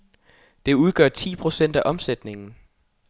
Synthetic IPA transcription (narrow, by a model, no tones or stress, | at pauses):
d̥e̝uð̞ˠɡ̥ɶɐt͡sʰḭːpʰʁo̝sen̰d̥æʔɒ̽msed̥ne̝ŋn̩